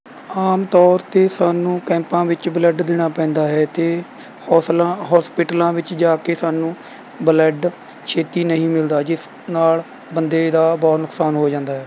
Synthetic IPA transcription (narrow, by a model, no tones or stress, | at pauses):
aːmt̪ɔːɾt̪eːsaːnũːkɛ̃ːmpãːʋɪt͡ʃbələɖd̪ɪɽ̃aːpɛ̃ːnd̪aːɦɛːt̪eː | hɔːslãɦɔːspɪʈəlãːʋɪt͡ʃd͡ʒaːkeːsaːnũː | bələɖ | kʰeːt̪iːnəɦĩːmɪld̪aːd͡ʒɪs | naːl | bənd̪eːd̪aːbɔːt̪nʊksaːnɦoːd͡ʒãːnd̪aːɦɛː